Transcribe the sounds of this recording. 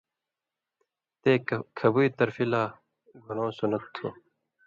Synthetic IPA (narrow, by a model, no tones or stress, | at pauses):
t̪eːkʰɐbuiːt̪ɐɾfilaː | ɡʱunõːsunɐt̪ʰːo̰